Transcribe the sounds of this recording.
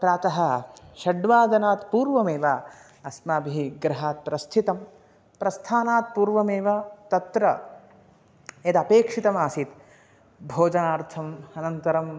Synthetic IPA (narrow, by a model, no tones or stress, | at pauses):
pɾaːt̪ɐɦɐʃɐɖʋaːd̪ɐnaːt̪puːɾʋɐmeːʋa | ɐsmaːbʱiiɡɾɐɦaːt̪̚pɾɐst̪ʰit̪ɐm | pɾɐst̪ʰaːnaːt̪̚puːɾʋɐmeːʋɐt̪ɐt̪ɾɐ | et̪ɐpeːkʂit̪ɐmaːsit̪ | bʱoːd͡ʒɐnaːɾt̪ʰɐmɐnɐnt̪ɐɾɐm